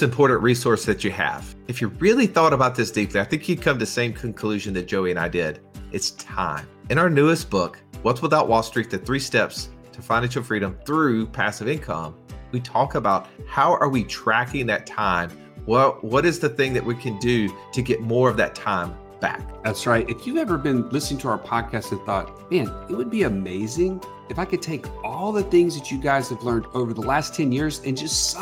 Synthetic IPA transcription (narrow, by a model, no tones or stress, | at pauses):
ɨ̃mpʰɔɹʔn̩ʔɹisɔɹsðɨt͡ʃɨɨ̰v̥ɨfjɨɹɪlˠiθɔɾəbaʊt̪̚ðɪsd̥ipliaɪθɪ̃ŋkʰjɨd̚kʰʌ̃mtðsẽɪ̃mkʰɨ̃n̩kʰl̥ʉʒɨ̃nðɨt̚d̥ʒ̥oʊiɨ̃ña̰ɪdɪɾʔɨtstʰã̰ɪ̃mɨ̃ɾ̃aʊə˞nʉɨstb̥ʊkwʌtswəθaʊʔ̚wɔlˠstɹ̥it̪̚ðɨθɹistɛpstʰɨfãɪ̃næ̃nt͡ʃʃəlfɹiɾɨ̃mθɹʉpʰæsɨvɪ̃nkʰʌ̰̃mwitʰɔkəbaʊt̚haʊʔə˞witʰɹ̥ækɪ̃ŋðɨtʰãɪ̃m | wɛlˠwʌɾɨzðɨθɪ̃ŋðɨʔ̚wikʰɨ̃ndɨɾɨɡɛt̚mɔɹʌvðɨ̰tʰãɪ̃m | b̥æ̰k̚ðætsɹaɪt̚ɨfjɨɛvə˞bɨ̃nlɪsnɪ̃ŋtʰəaʊə˞pʰɑd̚kʰæstɨ̃nθɔ̰t̚mæ̃nɨt̚wəd̚biɨmeɪzɪ̃ŋ | ɨfaɪkɨd̚tʰeɪkɔlˠðɨθɪ̃ŋzðɨt͡ʃɨɡaɪz̥ɨvlɜ̃˞ndoʊvə˞ðəlæstʰɛ̃njɪɹzɨ̃nd͡ʒʌst